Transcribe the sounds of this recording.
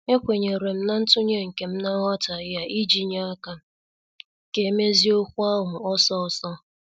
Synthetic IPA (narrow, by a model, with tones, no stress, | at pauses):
e˦kʷe˨ɲe˨ɾe˨m̩˦na˦n̩˦tʊ˦ɲe˦ŋ̩˨ke˨m̩˦na˦ɣɔ˦ta˨ja˦ʔi˦d͡ʒi˨ɲa˦a˦ka˦ | ke˦me˦zi˦o˦kʷu˦a˦ɦʊ˨ɔ˦sɔ˦ɔ˨sɔ˦